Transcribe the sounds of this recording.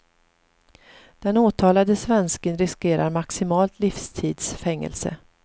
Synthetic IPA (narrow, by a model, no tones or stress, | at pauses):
d̪̥ɛnoːt̪ʰɑːlad̪əsvɛnskənɾɪskeːɾaɾmaksɪmɑːlt̪lifst̪ʰiːd̪sfɛŋːə̰lsə̰